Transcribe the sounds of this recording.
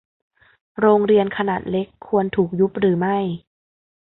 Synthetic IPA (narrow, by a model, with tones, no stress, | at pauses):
ɾoː˧ŋɾi˧ənkʰa˧naː˨˩t̪̚le˦˥kʰːu˧ənt̪ʰuː˨˩k̚ju˦˥p̚ɾɯː˩˦ma˥˩j